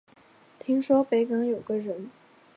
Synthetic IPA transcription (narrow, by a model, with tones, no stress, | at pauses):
t̪ʰi˥ŋʂwɔ˥pe˧˥ɪkɑ˧˥ŋjo˨˩ʊɡə˦ɻə˧˥n